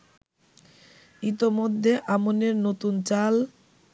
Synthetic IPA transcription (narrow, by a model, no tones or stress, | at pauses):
it̪omod̪ʱːeʔamoneɾnot̪unt͡ɕal